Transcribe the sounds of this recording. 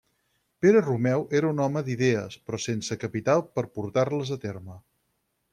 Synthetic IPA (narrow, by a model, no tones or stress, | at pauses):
peɾərumɛwʔeɾəunɔməd̪iðɛə̰spɾɔsensəkəpit̪alˠpəɾpuɾt̪arləzət̪eɾmə